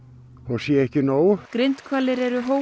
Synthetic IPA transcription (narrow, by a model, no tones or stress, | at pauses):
ɔɣsjɛɛhcɪnoːwkɾejnt̪kʰvaːlɪɾɛɾʏɦoː